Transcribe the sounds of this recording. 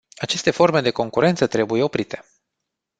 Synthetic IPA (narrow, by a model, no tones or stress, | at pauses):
at͡ʃe̞st̪e̞fo̞rme̞d̪e̞ko̞ŋkuɾe̞nt̪sət̪ɾe̞bujeopɾit̪e̞̥